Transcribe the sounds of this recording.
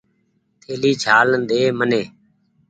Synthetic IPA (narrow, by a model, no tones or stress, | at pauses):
t̪ʰeːliːt͡ʃʰaːlənd̪eːməneː